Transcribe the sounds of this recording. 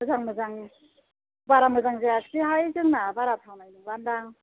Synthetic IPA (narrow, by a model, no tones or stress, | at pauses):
ɯzaŋmɯzaŋ | baɾamɯzaŋzajakʰsiɦajzɯŋnabaɾatʰawnajnɯŋbandaŋ